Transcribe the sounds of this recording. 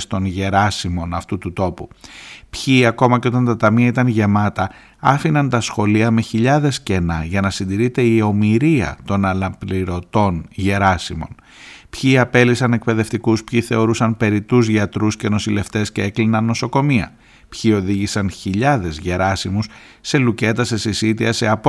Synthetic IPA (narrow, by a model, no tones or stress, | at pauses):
st̪o̞nʝe̞ɾɐsimo̞nɐft̪ut̪ut̪o̞pupçiɐko̞mɐceo̞t̪ɐnt̪ɐt̪ɐmiɐit̪ɐnʝe̞mɐt̪ɐ | ɐfinɐnt̪ɐsxo̞liɐme̞çiʎɐðe̞sce̞nɐʝɐnɐsind̪iɾit̪e̞io̞miɾiɐ̰t̪o̞nɐlɐpliɾo̞t̪o̞nʝe̞ɾɐsimo̞̰n | pçiɐpe̞lisɐne̞k̚pe̞ðe̞ft̪ikuspçiθe̞o̞ɾusɐnpe̞ɾit̪uzʝɐt̪ɾusce̞no̞sile̞ft̪e̞scee̞klinɐnːo̞so̞ko̞miɐ̰ | pçio̞ðiʝisɐnçiʎɐðe̞zʝe̞ɾɐsimus | se̞luce̞t̪ɐsesisit̪iɐse̞ɐpo